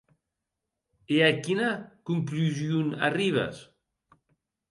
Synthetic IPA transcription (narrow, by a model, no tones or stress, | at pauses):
eakinakuŋkluziuna̰riβ̞a̰s